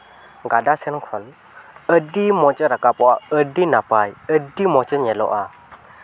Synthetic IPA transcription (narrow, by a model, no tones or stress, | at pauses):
ɡadasɛnkʰɔl | ədimɔt͡ʃʼəɾakapɔaədinapajədimɔt͡ʃəɲɛlɔ̰ʔa